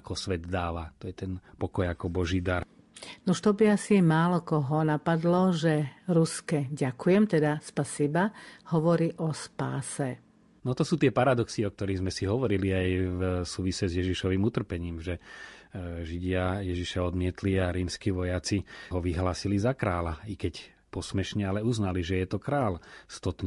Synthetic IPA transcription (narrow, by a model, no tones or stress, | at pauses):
akɔsʋɛd̪d̪aːʋat̪ɔjɛt̪ɛnpɔkɔjakɔbɔʒiːd̪aɾ | nuʃt̪ɔbiasimaːlɔkɔɦɔnapad̪lɔʒɛɾuskɛɟakujɛmt̪ɛd̪aspasibahɔʋɔɾiːʔɔspaːsɛ | nɔt̪ɔsuːt̪ɪɛpaɾad̪ɔksiɔk̚t̪ɔɾiːɣzmɛsiɦɔʋɔɾiliajvsuːʋisɛzjɛʒiʃɔʋiːmut̪r̩pɛɲiːmʒɛ | ʒiɟɪajɛʒiʃaɔd̪mɪɛt̪liaɾiːmskiʋɔjat͡siɦɔʋiɦlaːsilizakɾaːlaikɛc | pɔsmɛʃɲɛalɛuznaliʒɛjɛt̪ɔkɾaːlst̪ɔt̪ɲ